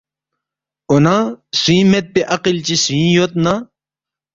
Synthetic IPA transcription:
onãsuĩmet̪̚peʔɐqilt͡ɕisĩjot̪na

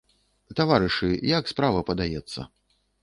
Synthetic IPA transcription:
t̪avaɾɨʂɨjakspɾavɐpɐd̪ajɛt̪sːɐ̰

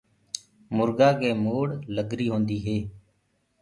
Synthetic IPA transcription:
mʊɾɡaːkeːmoːɽləɡɾiːɦõːnd̪iːɦeː

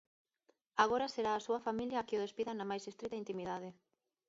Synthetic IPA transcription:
aɣ̞oɾaseɾaːsuɐfamiljaːkeoð̞espiðanamajsest̪ɾit̪aint̪imiðað̞ɪ

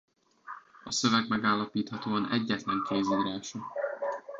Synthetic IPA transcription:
ɒsøvɛɡmɛɡaːlːɒpiːt̪hɒt̪oːɒnɛ̰ɟːɛt̪lɛŋkeːziːɾaːʃɒ

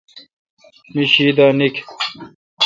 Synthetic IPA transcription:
niɕiːd̪aːnik

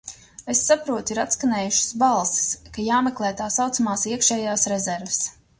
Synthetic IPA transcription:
esːapɾuɔt̪iɾat̪skanʲeːjuʃʊ̥sbalˠsi̥skajaːmeklˠɛːt̪aːsawt̪samaːsiɛkʃɛːjaːsɾezɛɾvs

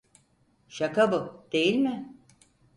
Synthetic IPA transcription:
ʃakabud̪̥e̞jilʲmɪ

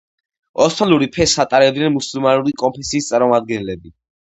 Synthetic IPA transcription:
ɔst̪ʰɔluɾipʰɛsat̪ʼaɾɛd̪nɛnmusulˠmanuɾikʼɔmpʰɛsiːst̪sʼaɾmɔmad̪̚ɡɛnlɛbi

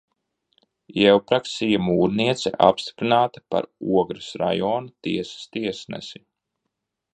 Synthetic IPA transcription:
ɛwpɾaksijamuːɾniɛt̪sɛ̰ʔa̰pst̪i̥pɾinaːt̪ḁpa̰ɾṵɔɡɾɨsɾa̰jɔːnut̪iɛsḁst̪iɛsnɛ̰si

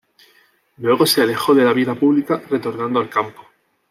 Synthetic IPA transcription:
lwe̞ɣ̞o̞seale̞xo̞ðe̞laβ̞iðapuβlikare̞t̪o̞ɾnãnd̪oalkampo

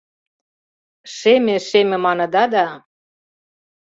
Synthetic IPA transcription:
ʃemeʃemʲĕmɑnɤ̆d̪ɑd̪ɑ

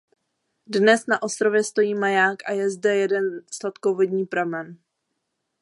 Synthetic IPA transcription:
dnɛsnaʔo̞st̪ɾovjɛst̪o̞jiːmajaːkʔajɛzdɛjɛdɛnslat̪kovo̞dɲiːpɾamɛn

